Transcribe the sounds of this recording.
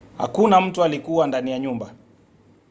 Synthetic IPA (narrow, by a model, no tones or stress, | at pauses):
ha̰kunam̩tualikuwandanijaɲumba